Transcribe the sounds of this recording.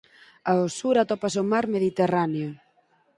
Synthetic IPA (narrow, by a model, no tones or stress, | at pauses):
aosuɾat̪ɔpasomaɾmeð̞it̪eraneo